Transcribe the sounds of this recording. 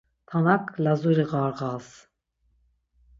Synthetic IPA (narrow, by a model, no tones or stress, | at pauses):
t̪ʰanakʰlazuɾiʁaɾʁas